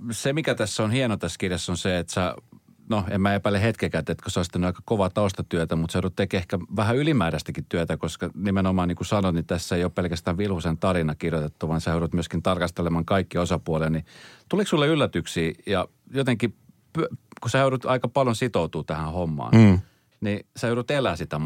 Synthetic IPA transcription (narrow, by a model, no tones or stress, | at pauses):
semikæt̪æsːonhienot̪æskirjesːonseet̪sæ | noemmæepælːehet̪kekæt̪et̪kosoˑist̪ænyɑikɑkoʋɑt̪ɑust̪ɑt̪yøt̪æmut̪seoˑɾut̪ekehkæʋæhæylimæːɾæst̪ækit̪t̪yøt̪ækoskɑnimenomɑːniŋkusɑnot̪nit̪æsːeijoppelkæst̪æːʋʋilhusent̪ɑrinɑkirjot̪et̪ːuʋɑnsæhøˑɾut̪myøskint̪ɑrkɑst̪elemɑŋkɑikːiosɑpuolelnit̪uliksulːeylːæt̪yksiːjɑ | jot̪eŋki | pykusæjøyɾut̪ɑikɑpɑljonsit̪out̪uːt̪æhæ̃homːɑ̰ːn | niseøɾut̪elˑæːsit̪æ